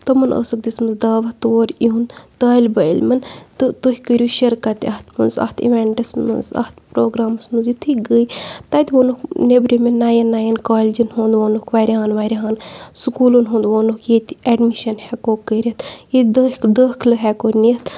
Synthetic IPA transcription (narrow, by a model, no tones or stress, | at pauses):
t̪omɐnə̰ːsɨk̚d̪ismɨnzd̪aːʋɐht̪oːɾʲiunt̪ɐːlʲbɐilmɐnt̪ɨt̪ohʲikəɾʲjuːʃɐɾkɐt̪ɐht̪ʰmɨnzɐ̰ht̪ʰḭʋeɳʈɐsmɨ̰nzɐ̰t̪pɾoːɡɾaːmɐsmɨnzjit̪ʰɨɡəjt̪aːt̪ʲʋoːnuknebɾʲimenːaːjɐnːaːjɐnkaːlʲid͡ʒinɦõːnd̪ʋoːnukʰʋaːɾʲiɦaːnʋaːɾʲiɦaːnsukuːlunɦũːnd̪ʋoːnukjet̪ɛɖmiʃɐnhɛkoːkəɾʲɐt̪jid̪əkd̪əːkʰlɨɦɛkoːnit̪